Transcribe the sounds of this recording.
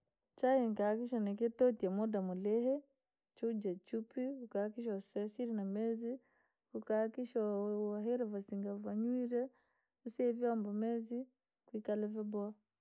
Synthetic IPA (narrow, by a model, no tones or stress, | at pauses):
t͡ʃajiŋkakiʃɔneketotiamodamulɛɦɛ | t͡ʃud͡ʒat͡ʃupiukakiʃɔsesiɾinamezi | ukakiʃɔaɦeɾavasiŋɡavaɲwiɾɛ | usevjambɔmezi | kwikalɛvɛbwa